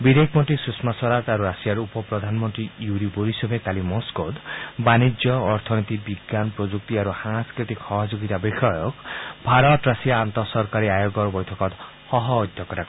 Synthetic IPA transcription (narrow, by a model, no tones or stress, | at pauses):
bid̪ʱekʰmɔnʈ̪ɾisusmasɔɾat̪aɾuɾasijaɾupɔpɾɔd̪ʱanmɔnt̪ɾijuɾiboɾisobʱekalimɔskot̪banid͡ʒjɔːɾt̪ʰɔnit̪ibiɡːanpɾod͡ʒuk̚t̪iaɾusãŋskɾit̪ikhɔɦɔd͡ʒoɡit̪abixɔjɔkbʱaɾɔt̪ɾasijaːnt̪ɔsɔɾkaɾiajoɡɔɾbɔjt̪ʰɔkɔt̪ | hɔɦɔɔjd̪ʱjɔkɔɾak